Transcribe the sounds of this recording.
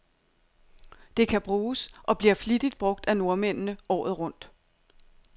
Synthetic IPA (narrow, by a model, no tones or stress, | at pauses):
d̥e̝kʰæb̥ʁuːsʔɒ̽b̥liɐflid̥id̥̚b̥ʁɔ̽ɡ̥̚d̥æno̝ɐmen̰nəɒ̰ːð̩ˠʁɔ̽n̰d̥